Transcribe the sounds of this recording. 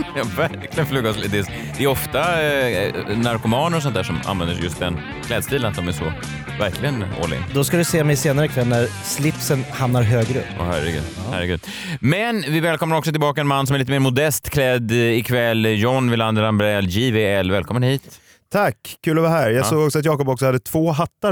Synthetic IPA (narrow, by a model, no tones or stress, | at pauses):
jɑːvæɾklɪɡənflyːɡɔslɪt̪ːɪs | d̪ɛɛɾɔft̪a | naɾkʊmɑːnəɾɔs̬ɔnt̪æːʂɔma̰nvɛnd̪əʂɛjɵst̪̚d̪ɛn | kʰlɛːd̪st̪iːlənat̪̚d̪ɔmæʂɔ | væɾklɪɡənɔ̰lːɪ̰ɡa̰d̪ɔskad̪ɵseːmɛjseːnaɾəkʰvɛlnæɾ | slɪpsənhamnaɾɦøːɡɾɵ̰pːʔɔ̰hæɾɛɡʉ̟̰ːd̪ | hæ̰ɾəɡʉ̟ːd̪ | mɛnvɪvɛːlkɔmnaɾɔksɔt̪ɪlbɑːkaɛnmanːsɔmæɭliːt̪əmeːɾmʊd̪ɛst̪kʰlɛd̪ɪkʰvɛlːjɔnːvɪland̪əɾambɾɛljiːveɛlːvɛːlkʰɔmːənhiːt̪ʰː | akːʰʉ̟ːlɔvaɦæːɾjɑːɡsoːɡɔksɔat̪jɑːkɔpɔksɔhad̪ːət̪ʰv̥oːɦat̪ːa